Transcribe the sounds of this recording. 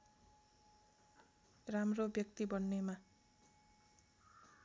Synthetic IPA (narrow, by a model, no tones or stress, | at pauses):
ramrobjʌkt̪ibʌnːema